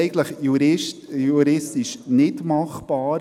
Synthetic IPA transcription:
ɡn̩tləχjuɾɪtjuɾɪst̪ɪʃnɪtmɑχb̥ɑːɾ

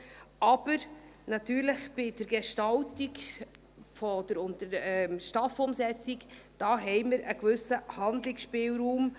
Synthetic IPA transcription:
ʔɑb̥əɾnɑt̪yːɾləχb̥ɪd̥əɾɡ̥eʃtɑltik | fɔd̥̪əɾʊntəɾɛmʃtɑfʊmsɛt͡siɡd̥ɑːɦɛɪməɾʔəkvɵsəhɑnd̪lɪksʃpɪːwɾuːm

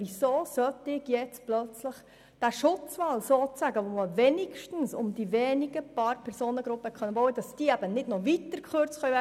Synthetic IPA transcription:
ʋisoːsœtɪɡ̥jɛt͡splœt͡sləχ | d̥æʃʊt͡sʋɑlsoːt͡sæɡəʋoməvɛnɪʃtn̩sʊmd̥iʋɛːniɡ̥əpɑːɾpʰɛɾsoːnəɡ̥ɾʊpːəkχœnəʋowəd̥ɑsd̥iːæb̥ənɪdnɔʋitəɾkχøɾt͡sχœvɛ

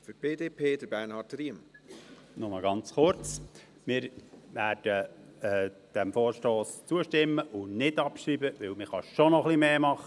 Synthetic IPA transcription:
fyb̥eːdeːpʰeːd̥əb̥ɛnhɑːtɾim | nʊməɡɑnt͡sχʊɾt͡s | mɪːɾʋæːɾd̥əɛd̥ɛmfoːɾʃtoːst͡suəʃtɪmːəʔʊnɪdɑpʃiːbəʋɪwmɪχɑʃonɔχlimeːmɑχə

